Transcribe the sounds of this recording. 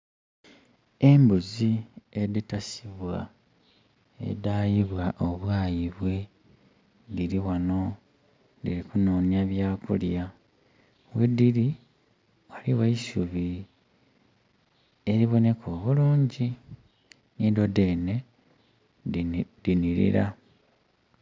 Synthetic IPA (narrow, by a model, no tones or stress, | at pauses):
e̞mbuzie̞ditasiβwa̰ | e̞̰daːjiβwaʔo̞βwaːjiβwe | diɾiwano̞ | diɾikunoːnjaβjaːkṵlja | wediɾi | waliwaisuβi | e̞ɾiβo̞ne̞kʰoːβuluːɲɟi | nidode̞ne̞ | diniɾḭɾa